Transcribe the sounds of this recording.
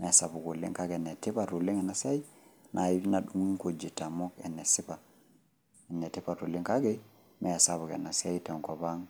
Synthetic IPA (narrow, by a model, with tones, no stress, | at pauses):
mɛ˨a˨sa˨bu˨ku˨lḭ˦ŋka˦ɡe˨ne˨ti˦pa˨tu˨li˦ŋe˨na˨sa˦i˦ | nʔa˨i˦bi˦na˨ɗu˦ŋi˦ŋko˨d͡ʒi˨ta˨mo˦kḛ˨nːe˨si˦pa˨ | e˨nːe˨ti˦pa˨tu˨li˦ŋka˦ɡe˦ | me˨a˨sa˨βu˨kḛ˨na˨sa˦i˦te˨ŋko˨ba˦ŋ